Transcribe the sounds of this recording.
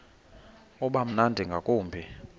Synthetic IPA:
ɔɓam̩nandʱiŋɡʱakʼuːmbʱi

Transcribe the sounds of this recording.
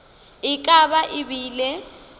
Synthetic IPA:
ɪkʼabaʔɪbiːlɛ

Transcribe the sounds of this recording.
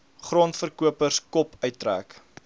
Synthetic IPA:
χruəntfərkuəpərskɔpʰœɥtːræ̰ːk

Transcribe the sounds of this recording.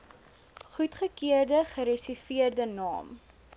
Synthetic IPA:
χutχəkiərdəχəɾɛsifiərdənɑ̰ːm

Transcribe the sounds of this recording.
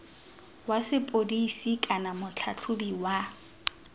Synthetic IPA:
wasɪpʼodisikʼanamʊt͡ɬʰat͡ɬʰʊbiwa

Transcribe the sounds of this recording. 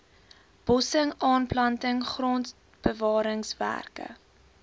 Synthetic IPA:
b̥ɔsəŋɑːnplɐntəŋχrɔn | b̥əvɑːɾəŋsvæ̰rkə̰

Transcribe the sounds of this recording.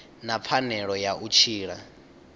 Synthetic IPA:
nap̪fʰanɛɺɔjaʔut͡ʃʰiːɺa

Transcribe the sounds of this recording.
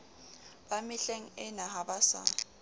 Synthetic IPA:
b̥amɪɬeŋ̩ɪnaɦabasa̰ː

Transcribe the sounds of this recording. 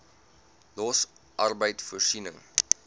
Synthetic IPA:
lɔs | ʔɐrbəjtfursinəŋ

